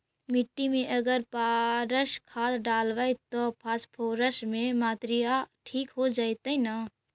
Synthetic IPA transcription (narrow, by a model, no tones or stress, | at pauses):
mɪʈːimẽʔəɡəɾpaɾəʃkʰaːt̪ɖaːlʋait̪ɔpʰaːspʰoːɾəsmẽmaːt̪ɾijaʈʰiːkɦod͡ʒaːit̪əina